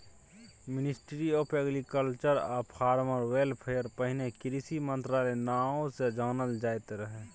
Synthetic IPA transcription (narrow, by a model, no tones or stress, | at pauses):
mɪnɪsʈɾiɔpʰeɡɾikəlt͡ʃəɾapʰaːɾməɾwelpʰejəɾpəɦɪnekɪɾisimə̃nt̪ɾaːlenaːõsed͡ʒaːnəld͡ʒaːjt̪eɾəɦe